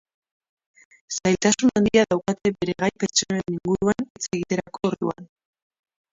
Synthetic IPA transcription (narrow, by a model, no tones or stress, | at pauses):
sajlt̪asunand̪iaðawkat̪e̞be̞ɾe̞ɣajpe̞ɾt͡soeniŋɡuɾuanit͡se̞ɣit̪e̞ɾako̞ːɾðṵa̰n